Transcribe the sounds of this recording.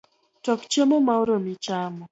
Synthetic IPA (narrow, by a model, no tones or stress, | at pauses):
tɔkt͡ʃemomauɾomɪt͡ʃamɔ